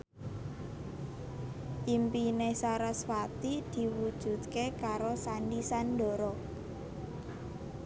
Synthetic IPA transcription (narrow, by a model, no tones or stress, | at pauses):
ʔimpinesaɾasfat̪id̪̥i̤wud̥ʒ̥ṳt̪̚kekaɾosandisandɔ̤ɾɔ